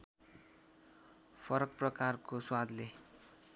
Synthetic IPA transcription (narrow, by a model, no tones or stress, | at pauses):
pʰʌɾʌk̚prʌkarkoswad̪le